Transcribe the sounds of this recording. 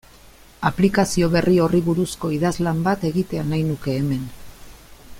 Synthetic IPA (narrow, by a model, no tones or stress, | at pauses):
aplikasio̞βe̞rio̞riβuɾusko̞iðazlambat̪e̞ɣit̪e̞anajnuke̞ːme̞n